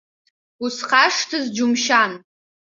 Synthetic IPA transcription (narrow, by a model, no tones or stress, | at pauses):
usχʰaʂtʰɨzd͡ʒʊmʃan